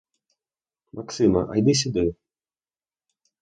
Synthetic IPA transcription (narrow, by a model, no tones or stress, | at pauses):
mʔaksɨmɐ̰ʔa̰jd̪ɨs̬ʲid̪ɨ